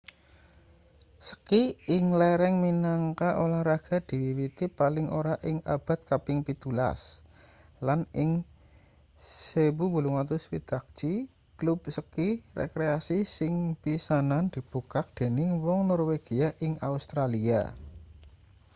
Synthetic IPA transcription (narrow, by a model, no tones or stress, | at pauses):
sə̥kiɪŋlɛɾɛŋminaŋkaʔolahɾaɡ̥a̤d̪̥i̤wiwit̪ipalɪŋʔoɾaʔɪŋa̰b̥a̤t̪̚kapɪŋpit̪ula̰s | lanɪŋ | sewubuluŋat̪ʊswid̪̥a̤k̚t͡ʃi | klubsəkirḛkɾeasisɪŋpisanand̪̥i̤b̥ukak̚d̪̥e̤nɪwɔŋnɔrweɡ̥iaʔɪŋa̰ust̪ɾalia̰